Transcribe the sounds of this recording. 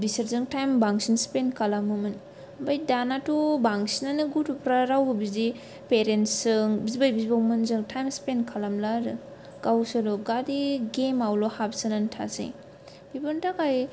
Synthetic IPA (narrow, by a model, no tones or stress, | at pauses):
disɐɾzɯŋtajmbaŋsinspenkʰalamɯmɯn | bajdanatubaŋsinanɯɡutupɾaɾawbɯbizi | peɾentsɯŋbizbajbizbawmɯnzɯŋtʰajmspenkʰalamlaɾɯ | ɡ̥awsɯloɡadiɡemawlohap̚sɯnantʰa̰sḭŋ | bibɯntakaj